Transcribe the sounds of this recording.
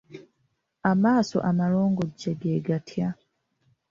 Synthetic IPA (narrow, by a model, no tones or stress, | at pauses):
amaːso̞̰ʔamaɾo̞ːŋɡoɟːeɡeːɡatʰja